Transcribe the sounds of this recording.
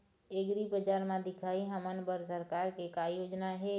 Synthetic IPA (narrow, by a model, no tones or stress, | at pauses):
eɡɾibəd͡ʒaːɾmãd̪ɪkʰaːiɦəmənbəɾs̬əɾkaːɾkekajoːd͡ʒnaɦeː